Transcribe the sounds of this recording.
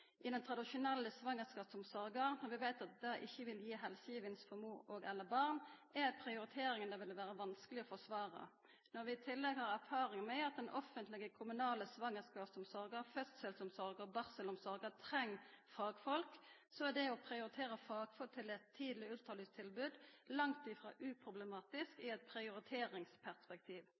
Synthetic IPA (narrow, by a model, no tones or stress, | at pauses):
ʔɪd̪ɛnt̪ʰɾɑd̪ɪʃʊnɛlːəsʋɑŋːəskɑːpsɔmsɔɾɡənɔʁʋɪʋæɪt̪ɑt̪̚d̪ɛʔɪçːəʋɪljiːɦɛlsəjiːʋənsfɔmuːɾoːɡɛlːəbɑʁnæpʰɾɪʊɾɪt̪ʰeːɾɪŋənɛʋɪlʋæːɾəʋɑnskəlɪɔfɔsʋɑːɾə̰ | nɔɾʋɪɪt̪ʰɪlːɛɡhɑːʁæʁfɑːɾɪŋənmɛɑt̪̚d̪ɛnʔɔfənt̪lɪɡəkʰʊmʉnɑːləsʋɑŋːəskɑːpsɔmsɔɾɡəʁfœst̪sɛlsɔmsɔʁɡəɔbɑʁsəlʊmsɔɾɡət̪ʰɾɛŋːfɑːɡfɔlksɔæd̪ɛɔpʰɾɪʊɾɪt̪ʰeːɾəfɑːɡ̥fɔt̪ʰɪlɛt̪ʰːiːd̪l̩ɪʉlt̪ʰɑːlyːst̪ʰɪlbʉːd̪lɑŋt̪ɪfɾɑ̰ːʔʉːpʰʁʊblɛmɑːt̪ɪskɪɛt̪̚pʰɾɪʊɾɪt̪ʰeːɾɪŋspʰæʁspɛk̚t̪ʰiːʋ